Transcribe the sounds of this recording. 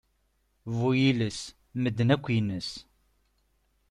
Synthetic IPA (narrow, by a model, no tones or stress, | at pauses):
vujiləs | məd̪ːənækʷːjənəs